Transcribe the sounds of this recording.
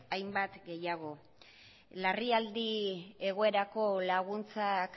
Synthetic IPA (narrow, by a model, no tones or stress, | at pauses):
ajmbat̪ɡe̞jaɣ̞o̞ | lariald̪ie̞ɣ̞o̞e̞ɾako̞laɣunt͡sak